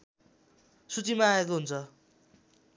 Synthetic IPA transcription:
sut͡simaːek̬oɦunt͡sʰʌ

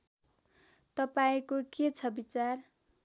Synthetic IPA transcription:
t̪ʌpaĩkoket͡sʰʌbit͡sar

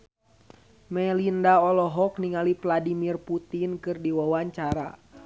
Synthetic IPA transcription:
mɛlindaɔlɔɦɔkniŋalipladimirput̪inkɨrdiwawaɲt͡ʃaɾa̰

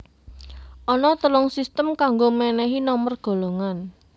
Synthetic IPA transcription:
ʔɔnɔt̪əlʊŋsist̪əmkaŋɡomɛnɛɦinɔmərɡ̥o̤loŋan

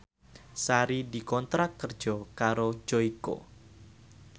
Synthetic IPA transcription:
saɾidi̤kɔnt̪ɾakːərd̥d͡ʒ̥ɔkaɾod͡ʒɔiko̰

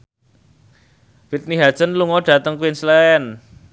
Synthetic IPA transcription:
fit̪̚niɦḁt͡ʃənluŋɔɖ̥ä̤t̪əŋkuwinsleɛn

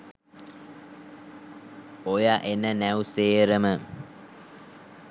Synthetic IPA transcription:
ojaʔenənæuseːɾəmə

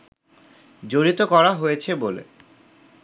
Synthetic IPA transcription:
d͡ʑoɾit̪okɔɾaɦojet͡ɕʰebolḛ

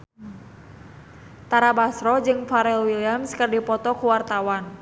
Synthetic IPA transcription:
t̪aɾabasɾɔd͡ʒɨŋfaɾɛlwiliamskərdipɔt̪ɔkuwart̪awan

